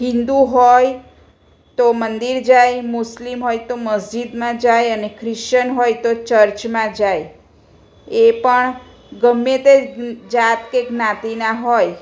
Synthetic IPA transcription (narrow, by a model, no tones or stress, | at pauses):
ɦĩnd̪uɦoj | t̪omənd̪iɾd͡ʒajmʊslimɦojt̪oməsd͡ʒid̪mãd͡ʒajənekʰɾɪʃt͡ʃənɦojt̪ot͡ʃəɾt͡ʃmãd͡ʒaj | epəɳ | ɡəmːet̪ed͡ʒat̪keɡnãt̪inaɦoj